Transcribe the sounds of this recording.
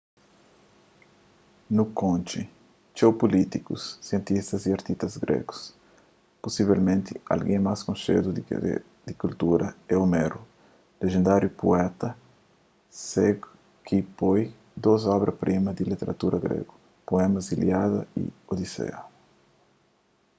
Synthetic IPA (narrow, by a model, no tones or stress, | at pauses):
nukõnt͡ʃi | t͡ʃewpulit̪ikṵsːiẽnt̪ist̪ɐziaɾt̪ist̪ɐzɡɾʔḛɡu̥s | pusiβelmẽnt̪ia̰lɡẽŋmaskõnʃḛd̪ṵ | d̪ikult̪uɾʔɐɛomeɾu | leʒẽnd̪aɾjupuɛt̪ɐ | sɛɡ | kʰipoj | d̪ozɔβɾʔɐpɾʔimɐd̪ilit̪eɾʔɐt̪uɾʔɐɡɾḛɡu | poɛmɐziljaðɐḭod̪isḛɐ